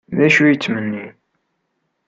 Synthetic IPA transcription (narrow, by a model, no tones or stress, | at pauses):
ðæʃujət͡sːmənːi